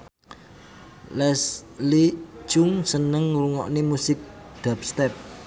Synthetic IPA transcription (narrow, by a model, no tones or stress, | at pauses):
lɛsli̥t͡ʃʊŋsənəŋruŋɔʔnemusɪk̚d̪̥a̤p̚st̪ɛp̚